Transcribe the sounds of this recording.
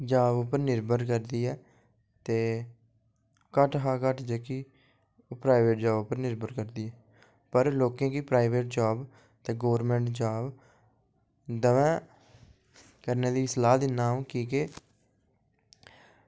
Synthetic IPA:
d͡ʒaːbʊpəɾnɪɾbəɾkəɾd̪iːɛː | t̪eː | kəʈɦaːkəʈʰd͡ʒəki | oːpɾaːɪʋeːʈ̚d͡ʒaːbʊpəɾnɪɾbəɾkəɾd̪iːɛː | pəɾloːkẽːkipɾaːɪʋeːʈ̚d͡ʒaːb | t̪eːɡoːəɾmɛ̃ːɳʈd͡ʒaːb | d̪əʋɛ̃ː | kəɾneːd̪iːɪslaːd̪ɪnːaːũːkiːke

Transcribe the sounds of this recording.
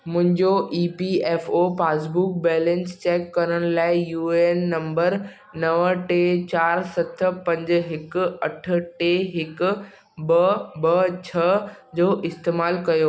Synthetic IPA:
mʊ̃ɦɪ̃ɲd͡ʑoʔiːpieːfopaːs̬buk̚bɛːlɛ̃nst͡ɕeːkːɐɾəɽ̃laːɪjuːenːɐ̃mbəɾ | nɐʋʈet͡ɕaːɾsɐt̪ʰpɐ̃ɲd͡ʑ̆ɦɪk̆ɐʈ̆ʰʈeɦɪkʊ̆ | bɐbɐt͡ɕʰɐd͡ʑoːʔɪst̪eːmaːlkɐjoː

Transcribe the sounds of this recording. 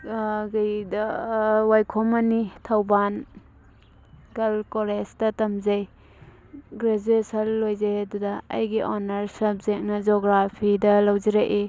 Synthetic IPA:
ɡajdɐwajkʰɔmanitʰawban | ɡɐlkɔlestɐtɐmzaj | ɡɾezesalːojzajadudɐ̰ːjɡiʔɔnɐɾsɐp̚zek̚nɐd͡ʒɔɡɾapʰidɐlawziɾaʔe

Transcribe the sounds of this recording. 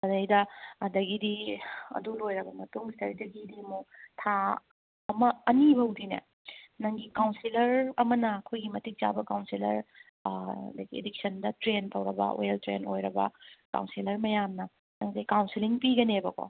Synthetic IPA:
ɐdɐjdɐɐdɐɡidiɐ̰dulojɾɐbɐmɐtuŋstɐɾidɐɡidimutʰa | ɐmɐɐnibɐɦwdinḛ | nɐŋɡikawnsilɐɾɐmɐnɐːkʰojɡimɐtik̚t͡ʃa̰bɐkawnsilɐ̰ɾ̰ | dɐɡiḛdik̚sɐndɐtɾentɐwɾɐbɐ̰o̰eltɾḛnojɾɐbɐ̰ka̰wnsilɐɾmɐjamnɐ | nɐŋdɐjkawnsiliŋpiɡɐnebɐko̰

